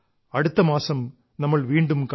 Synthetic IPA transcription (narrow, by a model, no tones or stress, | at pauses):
ɐɽɯt̪ːɐmaːsɐm | nɐmːɐɭʋiːɳɖɯmk